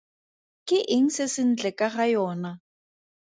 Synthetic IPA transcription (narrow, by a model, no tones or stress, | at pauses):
kʼɪʔɪŋ̩sɪsɪn̩t͡ɬɛkʼaχajɔːna